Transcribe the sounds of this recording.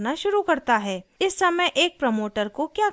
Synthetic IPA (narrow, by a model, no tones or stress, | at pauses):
naʃʊɾukɐɾt̪aɦɛːɪsːɐməjʔeːk̚pɾɐmoːʈəɾkokjaː